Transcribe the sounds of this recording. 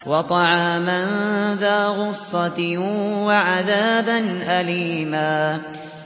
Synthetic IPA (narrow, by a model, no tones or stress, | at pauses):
wɑt̪ˤɑʕɑːmanðaːɣʊsˤːɑt̪waʕaðaːbanʔaliːmaː